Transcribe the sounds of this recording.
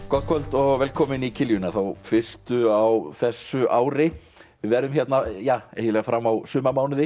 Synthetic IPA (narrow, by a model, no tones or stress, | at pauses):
kɔt̪̚kʰɔlt̪ɔɣvɛːlkʰɔːmɪnicʰɪljʏnaθawfɪr̥st̪ʏawθɛsːʏʔaːwɾɪvɪvɛɾðʏmçjɛt̪najaːḛːjɪlɛːɣafɾamːawsʏːmamaːwnɪðɪ